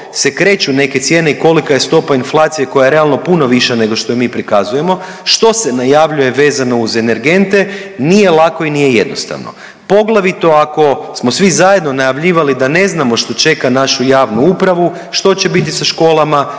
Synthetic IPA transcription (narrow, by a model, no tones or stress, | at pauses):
se̞kɾe̞ːt͡ɕune̞ke̞t̪sje̞ːne̞iko̞likaje̞st̪o̞painflˠat̪sije̞ko̞jajeɾealˠno̞puno̞ʋiʃene̞ɡo̞ʃt̪o̞miːpɾikazuje̞mo̞ | ʃt̪o̞se̞najaʋʎuje̞ʋe̞ːzano̞uze̞ne̞ɾɡe̞nt̪e̞nije̞lˠako̞inije̞je̞d̪no̞̰st̪a̰ʋno̰ | po̞ɡlˠaʋit̪o̞ako̞smo̞sʋizaje̞d̪no̞najaʋʎiːʋalid̪ane̞znamo̞ʃt̪o̞t͡ʃe̞kanaʃujaːʋnuupɾaʋu | ʃt̪o̞t͡ɕe̞bit̪̬isaʃko̞ːlˠama